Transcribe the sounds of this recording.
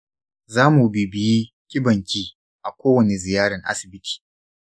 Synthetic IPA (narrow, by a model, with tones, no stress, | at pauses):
zaː˦mu˨bi˨bɪ˨ji˦ | kʲɪ˦bɐ˨ŋkʲiː˦ | ʔa˨kʷoː˦wɐ˨ne˨zɪ˨jaː˦ɽɐ˨ŋʔa̰˦sɪ˨bɪ˦tʰi̥ː˨